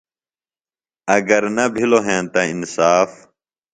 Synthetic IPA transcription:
əɡəɾnəbʱɪloːɦẽːnt̪ãːɪnsaːf

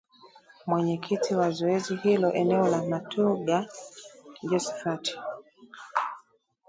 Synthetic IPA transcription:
mwɛɲɛkʰitʰiwazɔɛzihilɔʔɛnɛɔlamatʰuɡa | d͡ʒɔsɛ̥fati̥

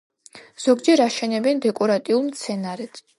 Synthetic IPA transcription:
z̥ɔɡd͡ʒɛɾaʃɛnɛbɛnd̪ɛkʼɔɾat̪ʼiulˠmt̪sʰɛnaɾɛd̪̥

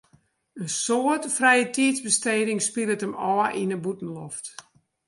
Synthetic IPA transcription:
ənsoətfrɛjətʰiətzbəsteːdɪŋspilətəmɔːəʔinəbutn̩lɔft

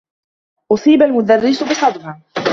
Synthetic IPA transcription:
ʔʊsˤiːbalmʊd̪arːɪsbɨsˤɑd̪ˤbɑ

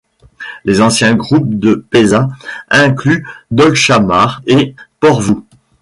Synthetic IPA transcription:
lezɑ̃sjɛ̃ɡʁup̚d̪əpezãɛ̃klyd̪ɔlʃamaʁepɔʁvu

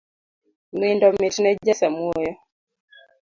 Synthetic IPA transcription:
mindɔmɪtnɛd͡ʒasamwɔjɔ

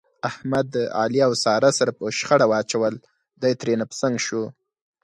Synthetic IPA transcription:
ahmad̪əɑ̰liawsɑɾasaɾapəʃxaɽawɑt͡ʃawəl | d̪ajt̪ɾenapə̥saŋɡʃu

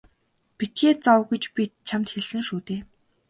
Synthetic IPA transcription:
pit̪ʰeːt͡sɔwɡujt͡ɕpʲit̪̚t͡ɕʰamt̪xeɮɘ̆ŋʃuːt̪eː

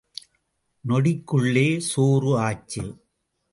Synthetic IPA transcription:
nɔɽɪkːɯɭːeːsoːrɯaːt͡ʃːɐ̰

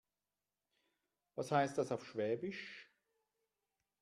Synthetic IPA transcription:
vashaɪst̚d̥asaʊfʃv̥ɛːbɪʃ

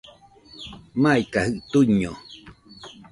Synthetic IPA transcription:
maikahɯʔt̪uɲo

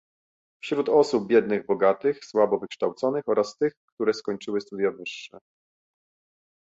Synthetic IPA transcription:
fɕɾut̪ɔsub̚bʲjɛd̪nɘɣbɔɡat̪ɘxswabɔvɘkʂt̪awt̪sɔnɘxɔɾast̪ɘxkt̪uɾɛskɔɲt͡ʂɘwɘst̪ud̪javɘʂːɛ̰

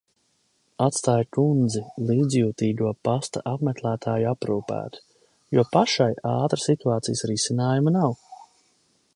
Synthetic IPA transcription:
at̪st̪aːjkund̪zilˠiːd̪zjuːt̪iːɡ̪uɔpast̪aʔapmɛk̪lˠæːt̪ʰaːjapɾuːpæ̰ːt̪ | juɔpaʃajaːt̪ɾəsit̪uaːt̪sijəsɾisinaːjumanaw

